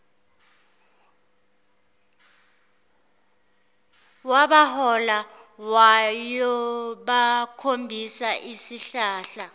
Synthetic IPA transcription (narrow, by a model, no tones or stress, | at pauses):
waɓahɔlawajɔɓakʰombʱisaʔisiɬaːɬa